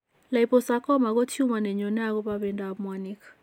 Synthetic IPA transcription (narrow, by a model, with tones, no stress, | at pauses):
la˨i˨pɔ˨sa˦kɔ˦ma˨k̬ɔ˦tʰju˦ma˨nɛ˨ɲɔ˨nɛ˦a˦kɔ˦pa˦βɛ˨nda˨mwa˨ni˦kḁ˨